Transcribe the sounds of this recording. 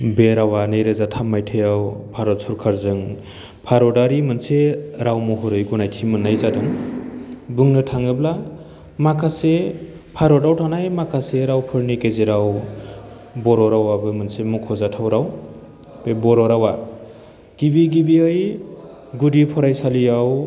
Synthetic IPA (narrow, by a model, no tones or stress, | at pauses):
beɾawanejɾɯzatʰamːajtʰɯjawpʰaɾɔtsʰuɾkʰaɾzɯŋ | pʰaɾɔdaɾimɯnseɾawmɔɦuɾɯjɡunajtʰimɯnːajzadɯŋ | buŋnɯtʰaŋɯbla | makʰase | pʰaɾɔdawtʰanajmakʰaseɾawpʰɯɾnikezeɾaw | bɔɾɔɾawabɯmɯnsemukʰɔzatʰawɾaw | bebɔɾɔɾawa | ɡ̥ibiɡibiɯj | ɡudipʰɔɾajsalijaw